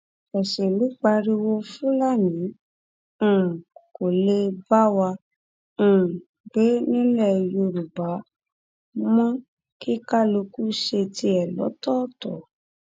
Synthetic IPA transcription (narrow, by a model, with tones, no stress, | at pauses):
ɛ˨ʃɛ˨lu˨˦k͡pa˧ɾi˧wo˧fũ˦la˦˨nĩ˨˦ | ũ˨ko˨le˧ba˦wã˧˨ | ɡ͡be˨˦nĩ˦lɛ˦˨jo˧ɾu˨ba˨˦ | mɔ̃˦ | ki˦ka˦lo˧ku˦ʃe˧ti˧ɛ˨lɔ̰˨˦tɔ˦tɔ˨